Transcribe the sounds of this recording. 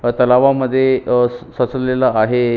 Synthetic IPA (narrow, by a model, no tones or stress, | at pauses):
t̪əlaʋaməd̪ʱːjesət͡səllelaaɦe